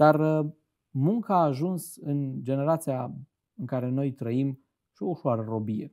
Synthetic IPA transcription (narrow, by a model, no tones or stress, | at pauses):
d̪̥ar | muŋkaːʒunsɨnd͡ʒe̞ne̞ɾat̪sia | ɨŋkaɾe̞no̞jt̪ɾəim | ʃio̞uʃwaɾəro̞bije